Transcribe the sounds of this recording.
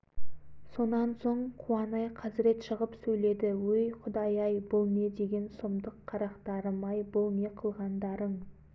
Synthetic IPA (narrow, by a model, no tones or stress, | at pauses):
so̞nɑnso̞ɴqʰuɑnɑjqʰɑzɪɾe̞t̪ʃəʁəpsɵjle̞d̪ɪwɵjqʰʊd̪ɑjɑjbolˠme̞d̪e̞ɡʲe̞nsomd̪əqʰːɑɾɑqt̪ɑɾəmɑjbolˠneqʰəlˠʁɑnd̪ɑɾəɴ